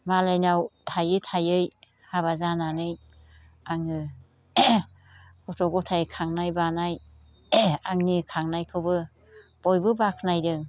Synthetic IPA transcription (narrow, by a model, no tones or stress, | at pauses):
malajnawtʰajɯtʰajɯj | habazananɯj | aŋɯ | kɔtʰɔɡɔtʰajkʰaŋnajbanaj | aŋnikʰaŋnajkʰɯwbɯ | b̥ɔjbɯbakʰnajdɯŋ